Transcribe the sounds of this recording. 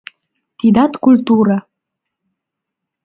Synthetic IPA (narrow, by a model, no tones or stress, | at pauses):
t̪id̪ɑt̪kult̪uɾa